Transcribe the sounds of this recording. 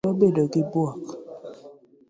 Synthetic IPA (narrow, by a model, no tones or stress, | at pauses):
ɔbedɔkibwak